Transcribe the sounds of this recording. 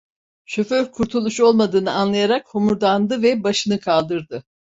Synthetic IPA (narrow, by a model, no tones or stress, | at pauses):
ʃøføɾkʰuɾt̪ʰulˠuʃo̞lˠmad̪ɯːnɯanlˠajaɾakhomuɾd̪and̪ɯvɛbaʃɯnɯkʰalˠd̪ɯɾd̪ɯ